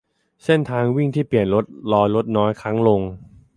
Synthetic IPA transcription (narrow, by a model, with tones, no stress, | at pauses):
se˥˩nt̪ʰaː˧ŋwi˥˩ŋt̪ʰiː˥˩pi˨˩ənɾo˦˥t̪̚lɔː˧jlo˦˥t̪̚nɔː˦˥jkʰɾa˦˥ŋlo˧ŋ